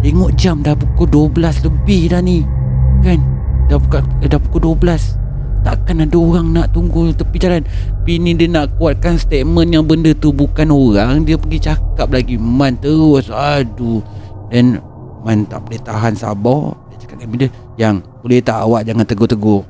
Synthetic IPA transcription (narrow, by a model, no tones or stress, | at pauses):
t̪eŋʊʔd͡ʒamdahpukʊduəbəlasləbɪhdani | kandapukadahpu̥koduəbəlas | t̪aʔkanadaoɣaŋnaʔt̪uŋɡut̪apid͡ʒalan | pinidənaʔkuat̪̚kanst̪et̪̚mənjaŋbəndət̪ubukanoɣaŋdiəpəɡit͡ʃakap̚laɡimant̪əɾʊsadudan | mant̪a̰ʔbolɛht̪aɦansa̰bɔhdiət͡ʃḁkap̚kanmidə | jaŋb̥olɛht̪aʔa̰waʔd͡ʒaŋant̪əɡot̪əɡo